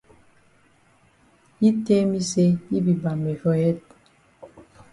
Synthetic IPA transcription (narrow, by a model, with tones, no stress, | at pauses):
i˦te˦mi˦se˦i˦bi˨ba˨me˨fɔ˦jɛ˦t̚